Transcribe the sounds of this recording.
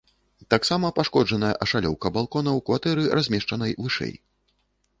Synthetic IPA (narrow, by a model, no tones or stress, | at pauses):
t̪aksamɐpaʂkɔd͡ʐɐnɐjɐ̰ʔɐʂalʲɔ̰wkɐbalˠkɔnɐwkvat̪ɛɾɨrazʲmʲɛʂt͡ʂɐnɐjvɨʂɛ̰j